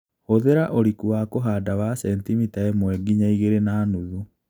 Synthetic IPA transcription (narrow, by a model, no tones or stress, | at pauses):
hoðeɾaʔoɾikuakoɦaːdawasɛntimitaɛmwɛɡiɲaiɣeɾenaːnuðu